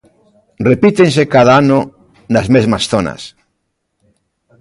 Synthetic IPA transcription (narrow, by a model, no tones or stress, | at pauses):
repit̪ens̬ekaðaano | nazmezmasθona̰s